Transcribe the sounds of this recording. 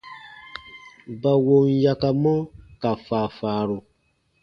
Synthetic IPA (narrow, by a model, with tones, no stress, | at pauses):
ba˨wo˧nja˧ka˧mɔ̃˦ka˨faː˨faː˨ɾu˨